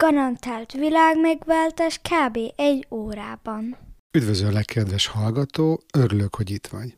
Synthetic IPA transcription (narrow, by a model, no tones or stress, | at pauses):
ɡ̥ɒɾɒnt̪aːlt̪ʋilaːɡmɛɡʋaːlt̪aʃkʰaːbeːʔɛɟːoːɾaːbɒn | yd̪vøzøːlɛkʰːɛd̪ʋɛʃhɒlɡɒt̪oːøɾyløkho̞ɟit̪ʋɒɲ